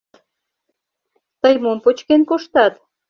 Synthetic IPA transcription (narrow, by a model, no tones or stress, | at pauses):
t̪əjmompot͡ɕkenkoʃt̪ɑt̪